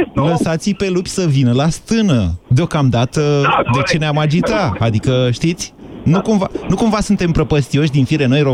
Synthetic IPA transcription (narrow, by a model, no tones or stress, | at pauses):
ləsat̪sipe̞lupʲsəvinəlast̪ɨnəd̪eo̞kamd̪at̪əd̪e̞t͡ʃe̞neamad͡ʒit̪aad̪ikəʃt̪it̪sʲnukumvanukumvasunt̪e̞mpɾəpəst̪io̞ʃ̬ʲd̪infiɾe̞no̞jɾo